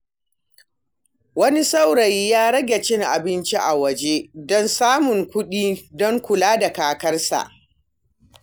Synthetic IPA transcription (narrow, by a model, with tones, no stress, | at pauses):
wɐ˦ni˦sa˦wɽɐ˨jːaː˦ɽɐ˦ɡʲe˨t͡ʃɪ˦ŋʔa̰˨bɪ˦nt͡ʃi˦ʔa˨wɐ˨d͡ʒe˦dɔ˦nsaː˦mʊ˨ŋkʷʊ˦ɗiː˦dɔ˦ŋkʷʊ˨laː˦da˨kaː˨kɐ˦rsa̰˨ʔ